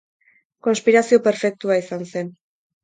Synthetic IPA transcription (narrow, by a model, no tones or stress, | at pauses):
ko̞nspiɾasio̞pe̞ɾfe̞k̚t̪uaisanse̞n